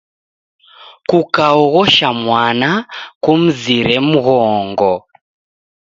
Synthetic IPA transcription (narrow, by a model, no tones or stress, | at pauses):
kukaɔɣɔʃamwanakum̩ziɾɛm̩ɣɔːŋɡɔ